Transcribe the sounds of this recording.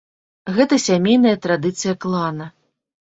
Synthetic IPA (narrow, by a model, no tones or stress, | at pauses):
ɣɛt̪ɐsʲamʲejnɐjɐt̪ɾad̪ɨt̪sɨjɐklˠanɐ